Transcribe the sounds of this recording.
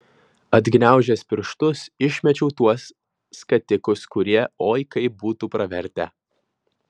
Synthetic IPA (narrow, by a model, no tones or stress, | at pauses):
ɐd̪ʲɡnʲæˑʊʒʲɛsʲpʲɪɾʃt̪ʊsɪʃʲmʲɛt͡ʃʲɛʊt̪uɔsː | kɐt̪ʲɪkʊskʊɾʲiɛoːjkɐɪbuːt̪uːpɾɐʋʲɛɾʲt̪ʲɛ̰